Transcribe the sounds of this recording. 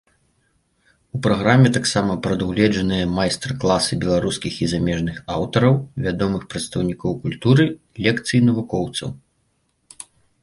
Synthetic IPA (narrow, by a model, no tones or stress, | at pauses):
upɾaɣɾamʲɛt̪aksamɐpɾɐd̪uɣlʲɛd͡ʒɐnɨjɐmajst̪ɾrklˠasɨbʲɛlˠaɾuskʲixizamʲɛʐnɨxa̰wt̪ɐɾɐwvʲad̪ɔmɨxpɾɐt̪st̪ɐwnʲikɔwkulʲt̪uɾɨ | lʲɛkt̪sɨjinɐvukɔwt̪sɐ̰w